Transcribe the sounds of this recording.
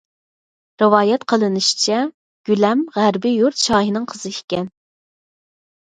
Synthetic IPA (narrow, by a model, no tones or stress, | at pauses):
ɾɨwɑːjɛt̪qʰəlˠɨnɨʃi̥t͡ʃʰɛ | ɡ̥ʲylɛmʁæɾbɪjuɾt̪̚t͡ʃʰɑːɦinɨŋqʰəz̥ɨi̥kʲɛn